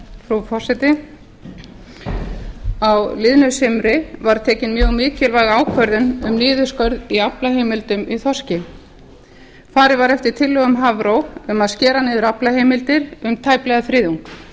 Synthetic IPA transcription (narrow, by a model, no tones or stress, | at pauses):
fɾufɔr̥sɛt̪ɪ | awlɪðnʏsɪmɾɪvaɾ̥t̪ʰɛːcɪnmjœːɣmɪːcɪlvaːjɣaːwkʰvœɾðʏnʏmniːðʏskœɾðiaplaheːjmɪlt̪ʏmiθɔrscɪ | faːɾɪvaɾɛft̪ɪɾ̥t̪ʰɪlːœɣʏmɦavɾowʏmaðscɛːɾanɪːðʏɾaplaheːjmɪlt̪ɪɾʏmt̪ʰaːjplɛɣaθɾɪːðuŋk